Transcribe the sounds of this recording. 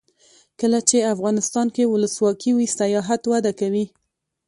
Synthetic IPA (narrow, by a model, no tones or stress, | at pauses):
kəlat͡ʃeafɣɑnɪst̪ɑnkewʊləswɑkiwisajɑɦat̪wad̪akawi